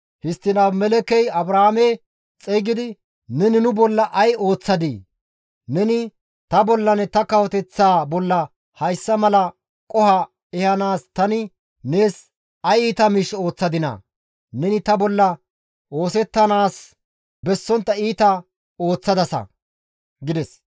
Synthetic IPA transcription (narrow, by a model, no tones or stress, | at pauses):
hɪst̪ːɪnaːbmɛlɛkɛjɐbɾɐhamɛ | t͡sʼɛɡɪd̪ɪ | nɛnɪnʊbɔlːɐʔɐjo̞ːt͡sːɐd̪iː | nɛnɪ | t̪ɐbɔlːɐnɛt̪ɐkɐwɔt̪ɛt͡sːaːbɔlːɐ | hɐjsːɐmɐlɐ | kʼɔhɐ | ɛhɐnaːst̪ɐnɪ | neːs | ɐjiːt̪ɐmɪʃo̞ːt͡sːɐd̪ɪnɐ̰ | nɛnɪt̪ɐbɔlːɐ | o̞ːsɛt̪ːɐnaːs | bɛsːɔnt̪ːɐiːt̪ɐ | o̞ːt͡sːɐd̪ɐsɐ̰ | ɡɪd̪ɛs